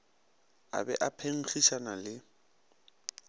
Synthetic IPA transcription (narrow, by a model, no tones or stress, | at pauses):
a̰bɛʔapʰeŋ̩χiʃanalɪ